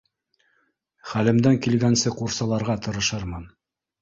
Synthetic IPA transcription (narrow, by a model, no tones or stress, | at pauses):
χælɘ̆md̪æŋkilɡænsɘquɾsɑlˠɑɾʁɑt̪ɤ̆ɾɤ̆ʃɤɾmɤn